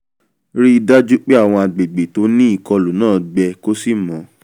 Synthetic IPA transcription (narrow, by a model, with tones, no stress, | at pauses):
ɾi˦i˧da˦d͡ʒu˦k͡pe˦a˦˨w̃ɔ̃˧a˨ɡ͡be˨ɡ͡be˨to˨˦nĩ˦i˦˨kɔ˧lu˨nãː˦˨ɡ͡bɛ˧ko˦si˦˨mɔ̃˨˦